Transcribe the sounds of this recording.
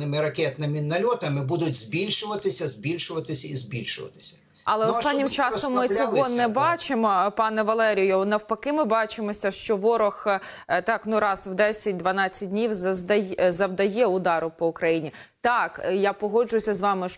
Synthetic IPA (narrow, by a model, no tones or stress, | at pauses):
ɪmɪɾɐkʲɛt̪nɪmɪnɐlʲɔt̪ɐmɪbud̪ʊtʲzbʲilʲʃʊʋɐt̪ɪsʲɐzʲbʲilʲʃʊʋɐt̪ɪsʲɐizbʲilʲʃʊ̰ʋɐ̰t̪ɪ̥sʲɐ̥ | ɐlˠɛɔt̪ɑnnʲːimt͡ʃɑsɔmːɪt͡sʲɔɦɔnɛbɑt͡ʃɪmɔpɑnɛʋɐlˠɛɾʲijɔnɐwpɐkɪmɪbɑt͡ʃɪmɔsʲɐʃt͡ʃɔʋɔɾɔx | t̪ɑknʊɾɑswd̪ɛsʲɐt̚ʲd̪ʋɐnɑt͡sʲːɐt̚ʲdʲnʲiwzɐd̪ɐzɐwd̪ɐjɛʊd̪ɑɾʊpɔʊkɾɐjinʲi | t̪ɑkjapɔɦɔd͡ʒʊjʊsʲɐzʋɑmɪ